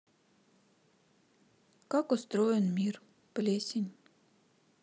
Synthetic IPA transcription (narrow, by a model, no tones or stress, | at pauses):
kɑkost̪ɾojenmʲir | plʲesʲinʲ